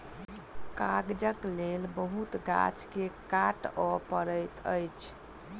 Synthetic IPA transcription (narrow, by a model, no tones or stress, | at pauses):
kaɡd͡ʒəklelbəɦut̪ɡa̰t͡ʃkekaʈɔpəɾəjt̪ə̰jt͡ʃʰ